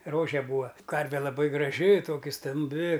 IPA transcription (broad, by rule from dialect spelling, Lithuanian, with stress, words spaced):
ˈroːʒʲɛ ˈbuːɐ ˈkɐrʲʋʲɛ lˠɐˈbɐɪ ɡrɐˈʒʲɪ ˈtoːkʲɪ stɐmʲˈbʲɪ